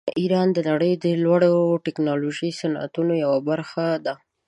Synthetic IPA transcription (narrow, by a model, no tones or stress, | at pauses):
ʔiɾɑnd̪ənaɽəjd̪əlwaɽoʈɪknɑloʒisanʔa̰t̪unojawabaɾxad̪a